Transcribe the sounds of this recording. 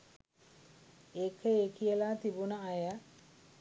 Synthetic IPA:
ekʰəeːkijəlaːt̪ibunəajə

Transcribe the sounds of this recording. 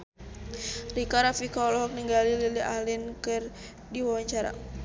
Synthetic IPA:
rikaɾafikaɔlɔɦɔk̚niŋɡalililiahlɪnkɨr | diwawaɲt͡ʃaɾa̰

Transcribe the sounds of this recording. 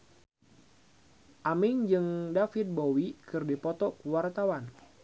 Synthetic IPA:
ʔamɪŋd͡ʒɨŋdafit̪̚bowikɨrdipɔt̪ɔkuwart̪awan

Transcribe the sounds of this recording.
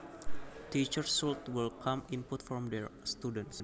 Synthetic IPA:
tit͡ʃəɹsult̪wilkʰãmĩnput̪fɾɔ̃mdɛɹst̪udə̃nts

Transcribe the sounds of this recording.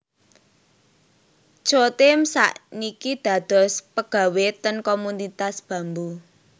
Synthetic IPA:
t͡ʃot̪emsa̰ʔnikid̪̥ä̤d̪̥ɔ̤spəɡ̥ä̤wet̪ənkomunit̪asb̥ä̤mbu

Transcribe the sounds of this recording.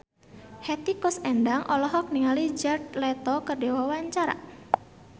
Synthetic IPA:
hɛt̪ikʊsɛndaŋʔɔlɔɦɔk̚niŋalid͡ʒart̪lɛt̪ɔkərdewawaɲt͡ʃaɾa̰

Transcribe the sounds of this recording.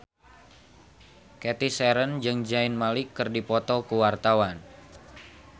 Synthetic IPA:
kɛt̪isɛɾənd͡ʒɨŋd͡ʒaɪnmalɪkːɨrdipɔt̪ɔkəwart̪awan

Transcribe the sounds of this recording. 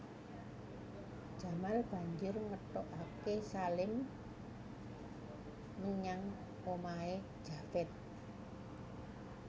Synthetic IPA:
d̥ʒ̥a̤malb̥a̤ɲd͡ʒʊrŋət̪ɔʔakesalɪm | əɲaŋ | omaed̥ʒ̥a̤fɛt̪̚

